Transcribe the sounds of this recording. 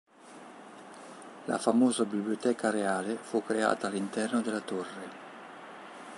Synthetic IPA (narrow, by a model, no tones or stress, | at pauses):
la̰famoːzabibliot̪ɛːkaɾeaːlefukːɾea̰ːt̪aːlːint̪ɛrnod̪elat̪orːe